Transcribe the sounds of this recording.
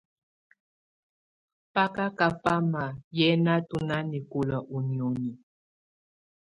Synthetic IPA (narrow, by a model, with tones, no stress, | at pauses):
pa˦ka˦ka˨pa˦ma˨jɛ˦na˦tu˨na˦ni˨ko˨la˨ʔu˨ni˨ɔ˨ni˨